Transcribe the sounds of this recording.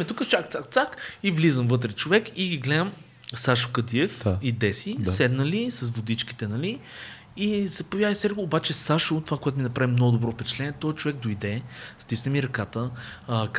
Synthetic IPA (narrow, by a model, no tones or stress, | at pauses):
mɛt̪ukəʃt͡ʃakt̪sak̚t̪sakivlizəmvɤt̪ɾɛt͡ʃovɛkiɡʲiɡlɛd̪əm | saʃʊ̥kɐd̪iɛfid̪ɛsiasɛd̪nəlisɐs̬vod̪it͡ʃki̥t̪ɛnɐli | izɐpovjaisɛɾːbat͡ʃɛsaʃʊt̪ovakoɛt̪ʊminɐpɾavimnɔɡʊd̪obɾɔfpɛt͡ʃɛ̥t̪lɛnʲɛɛt̪ɔit͡ʃovɛk̚d̪ojd̪ɛst̪isnəmiɾɐkat̪ək